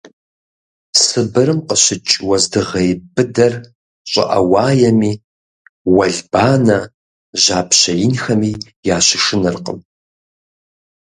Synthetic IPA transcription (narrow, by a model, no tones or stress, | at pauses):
sɨbɨɾɨmqʼəɕɪt͡ʃʼwɐzdɨʁɐjbɨdɐr | ɕʷʼɐ̰ʔɐ̰waːjɐmiː | wɐɮbaːnɐ | ʒaːpʰɕɐjinxɐmiː | jaːʃɪʂɨnɨrqʼə̰m